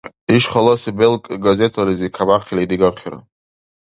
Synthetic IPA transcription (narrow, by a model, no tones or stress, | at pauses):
iʃχɔlɔsibɛlkʼɡazɛt̪ʰalizikʰabaqʰilid̪iɡaqʰiɾa̰